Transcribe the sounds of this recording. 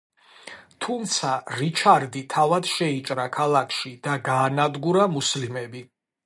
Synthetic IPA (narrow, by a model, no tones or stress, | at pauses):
t̪ʰumt̪sʰaɾit͡ʃʰaɾd̪it̪ʰavad̪ʃɛit͡ʃʼɾakʰalˠakʰʃid̪̥aɡaːnad̪ɡuɾamuslimɛbi